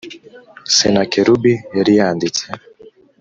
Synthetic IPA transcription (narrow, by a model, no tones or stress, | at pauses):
sɛnakɛɾubijɛɾijaːndit͡sɛ